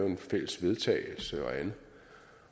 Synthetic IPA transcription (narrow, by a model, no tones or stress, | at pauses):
ʊe̝nfel̰əsʋe̝ð̞ˠt͡sʰɛ̰ɪl̩səɒ̽æn̩